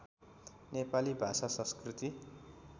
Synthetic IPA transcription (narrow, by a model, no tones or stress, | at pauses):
nepalibʱasasʌ̃skrit̪i